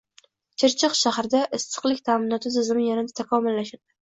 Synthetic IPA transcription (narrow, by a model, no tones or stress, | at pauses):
t͡ʃʰɪɾt͡ʃʰɪqʃahɾd̪aʔɪst̪ʰɨ̥qlˠɪkʲt̪ʰaːmɪnɒt̪ʰɪzʰɪzɪmɪjanɪd̪at̪ʰakʰɒmʊlːaʃaɾd̪̥ɪ